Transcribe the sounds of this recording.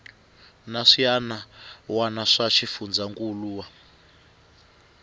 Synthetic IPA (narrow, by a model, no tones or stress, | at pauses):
naʂijanawanaʂaʃifund͡zaŋkʼuluːwa